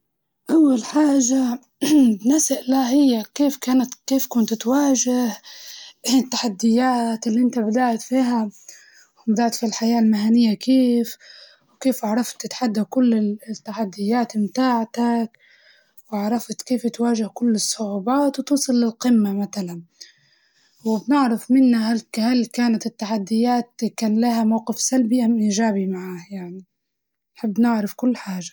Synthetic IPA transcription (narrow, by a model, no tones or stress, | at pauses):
ʔawːalħaːʒa | bnasaʔlaɦɪjːakeːfkaːnat̪keːfkʊnt̪t̪waːʒɪh | t̪ːaħad̪ːɪjːaːt̪ɪlːiʔɪnt̪abɪd̪aʕt̪fiːɦa | wɪbɪd̪aʕt̪filħajaːlmɪhanɪjːakeːf | wkeːfʔaʕɾˤɑft̪ːɪt̪ħad̪ːakʊlːɪt̪ːaħad̪ːɪjːaːt̪mt̪aːʕt̪ak | waʕɾˤɑft̪keːft̪waːʒɪhkʊlːɪsˤːʊʕuːbaːt̪wt̪uːsˤɨlːɪlqɪmːamat̪alan | wɪbnɪʕɾˤɑfmɪnːaɦalhalkaːnat̪ɪt̪ːaħad̪ːɪjːaːt̪kaːnlahamawqɪfsalbiʔamʔiːʒaːbimaʕaːhjaʕni | nħɪbːnɪʕɾɑfkʊlːħaːʒḁ